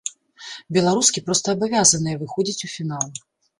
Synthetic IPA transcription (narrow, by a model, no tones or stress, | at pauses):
bʲɛlˠaɾuskʲipɾɔst̪ɐːbavʲazɐnɨjɛvɨxɔd͡zʲit͡sʲufʲinalˠ